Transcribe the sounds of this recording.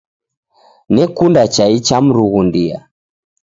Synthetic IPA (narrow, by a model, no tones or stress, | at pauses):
nɛkundat͡ʃait͡ʃam̩ɾuɣundia̰